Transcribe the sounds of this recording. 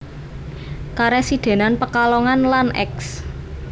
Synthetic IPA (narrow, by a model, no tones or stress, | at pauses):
kaɾɛsid̪̥e̤nanpəkalɔŋanlanʔɛ̰ks